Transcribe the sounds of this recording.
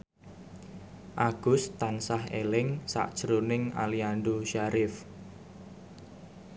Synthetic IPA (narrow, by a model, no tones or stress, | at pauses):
ʔaɡ̥ʊst̪ansahelɪŋsa̰ʔd̥ʒ̥əɾunɪŋa̰liandoʃaɾɪf